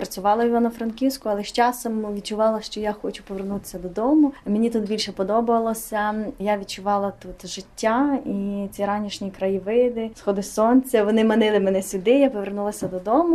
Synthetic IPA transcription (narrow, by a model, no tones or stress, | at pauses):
pɾɐt͡sʲʊʋɑlˠɐiʋanɐfɾɐnkʲiwsʲkʊɐlˠɛʃt͡ʃɑsɔmʋʲid̪̚t͡ʃʊʋɑlˠɐʃt͡ʃɔjaxɔt͡ʃʊpɔʋernut̪ɪ̥sʲːɐd̪ɔd̪ɔmʊmʲɪnʲit̪ut̪̚bʲilʲʃɛpɔd̪ɔbʊʋɐlˠɔsʲɐjaʋʲid̪̚t͡ʃʊʋɑlˠɐt̪ut̪ʒɪtʲːait͡sʲiɾɑnʲiʃnʲikɾɐjiʋɪjd̪ɪsxɔd̪ɪsɔnʲt͡sʲɐʋɔnɪmɐnɪlˠɪmɛnɛsʲʊd̪ɪjapɔʋernulˠɐsʲɐd̪ɔd̪ɔmʊ